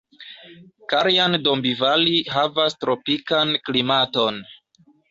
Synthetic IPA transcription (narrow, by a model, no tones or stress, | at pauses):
kaɾjandombivaliɦavastɾo̞pikanklimato̞n